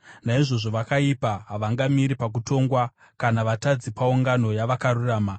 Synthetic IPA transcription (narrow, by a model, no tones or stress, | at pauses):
naiʐo̞ʐo̞ʋakaipaɦaʋaŋɡamiɾipak̬uto̞ŋɡwa | kanaʋatad͡zipauŋɡano̞jaʋakaɾuraːma